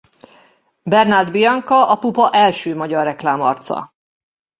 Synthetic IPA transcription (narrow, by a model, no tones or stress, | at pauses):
bɛrnard̪bijɒŋkɒʔɒpupɒʔɛlʃøːmɒɟɒrːɛklaːmɒ̰rt̪sɒ̰